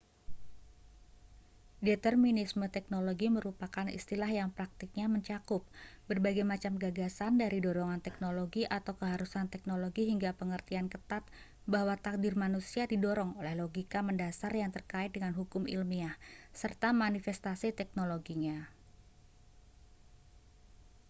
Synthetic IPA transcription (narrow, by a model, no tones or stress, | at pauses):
det̪ərminismət̪ɛk̚noloɡiməɾupakanḭst̪ilahjaŋpɾak̚t̪ɪk̚ɲaməɲt͡ʃakʊp̚bərbaɡajmat͡ʃamɡaɡasandaɾidɔɾɔŋant̪ɛk̚noloɡiʔat̪awkəɦaɾusant̪ɛk̚noloɡiɦiŋɡapəŋərt̪iankət̪at̪̚ | bahwat̪ak̚dɪrmanusiadidɔɾɔŋolɛhloɡikaməndasarjaŋt̪ərkaɪt̪̚dəŋanɦukʊmḭlmiahsərt̪amanifɛst̪asit̪ɛk̚noloɡiɲa